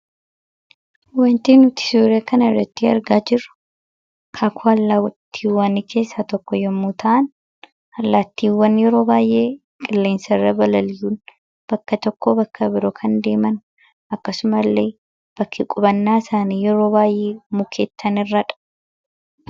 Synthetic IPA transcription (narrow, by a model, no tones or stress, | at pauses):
wɐnt̪eːnʊt̪ɪ̥suːɾɐkɐnɐɪrːɐt̪ːiɐ̰ɾɡaːd͡ʒɪɾːʊ̥ | kʰaːkʰʊɐlːaːwɐt̪ʰːiːwaːnikʰe̞ːsːat̪ɔkːɔjɛmːuːt̪ʰɐʔɐn | ɐlːaːt̪ːiːwːɐnjɛɾo̞ːbaːjʔeː | kkʼɪlːe̞ːnsɐrːɐbɐlɐljuːn | b̥ɐkːɐt̪ɔkːoːbɐkʰːɐbɪɾɔkʰɐnd̪e̞ːmɐn | ɐkːɐsʊmɐlːeː | b̥ɐkːɪkʼʊbɐnːaːɪsaːniːjɛɾo̞ːbaːjʔe̞ːmʊkʰeːt̪ʰːɐnɪrːɐᶑɐ̥